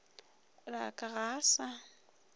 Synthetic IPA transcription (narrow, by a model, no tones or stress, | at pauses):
rakʼaɣaːsa